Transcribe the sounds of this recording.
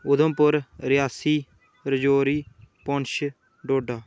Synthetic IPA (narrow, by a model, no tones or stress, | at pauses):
ʊd̪ə̃mpʊɾɾɪjaːsiː | ɾəd͡ʒoːɾiːpɔɳʃ | ɖoːɖaː